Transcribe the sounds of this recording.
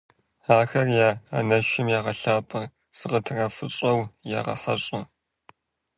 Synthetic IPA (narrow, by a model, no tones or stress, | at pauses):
aːxɐrjaːa̰nɐʃɪmjaːʁɐɬaːpʰʼɐ | sɨʁətʰɨrɐfɨɕʼɐwja̰ːʁɐ̰ħɐ̰ɕʼɐ